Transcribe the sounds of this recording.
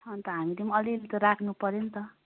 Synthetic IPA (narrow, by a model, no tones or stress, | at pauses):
t͡sʰʌnt̪ʌɦamit̪imiʌlilet̪ʌɾakʰnupʌɾent̪ʌ